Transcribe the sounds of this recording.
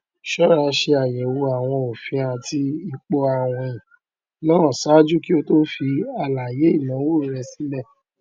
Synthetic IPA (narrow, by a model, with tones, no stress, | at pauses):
ʃɔ˦ɾa˧ʃe˧a˨jɛ˨wo˧a˨w̃ɔ̃˧o˨fĩ˧˦ã˧˨ti˧˦i˧k͡pɔ˧a˦˨w̃ɔ̃˧ĩ˨ | nãː˦˨sa˦d͡ʒu˦ki˦o˧to˦fi˧a˧˨la˨je˨˦i˦˨lã˨˦wo˦˨˦ɾɛ˧si˦lɛ˦˨